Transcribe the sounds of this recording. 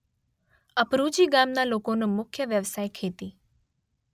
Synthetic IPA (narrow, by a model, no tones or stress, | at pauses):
əpɾud͡ʒiɡamnalokonumʊkʰjəʋjəʋsajkʰet̪i